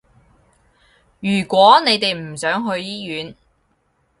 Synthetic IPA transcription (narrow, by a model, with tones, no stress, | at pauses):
jyː˨˩kʷɔː˨˥ne˨˧jt̪e˨jm̩˨˩sœː˨˥ŋɦɵ˧ɥjiː˥jyː˨˧n